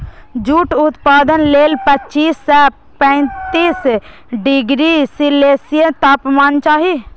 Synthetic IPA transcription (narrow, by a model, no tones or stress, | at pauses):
d͡ʒuːʈʊt̪paːd̪ənleːlpətːt͡ʃiːsːɛ | pɛ̃ɪ̃t̪iːs | ɖɪɡɾisileːsijə̃t̪aːpmaːnt͡ʃaːɦi